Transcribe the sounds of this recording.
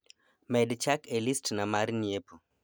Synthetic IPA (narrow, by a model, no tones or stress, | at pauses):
mɛdt͡ʃakelistnamarnjepo